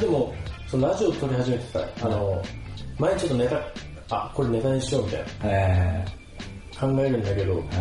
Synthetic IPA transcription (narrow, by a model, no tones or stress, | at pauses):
d̪e̞mo̞sonoɾaʑiot̪o̞ɾʲiɦaʑime̞t̪e̥sa̰ano̞maeɲ̟it͡ɕo̞t̪ːo̞ne̞t̪a | ako̞ɾe̞ne̞t̪aɲiɕio̞mʲit̪a̰j̰nae | kʰãŋɡae̞ɾɯ̟̃nd̪ake̞d̪o̞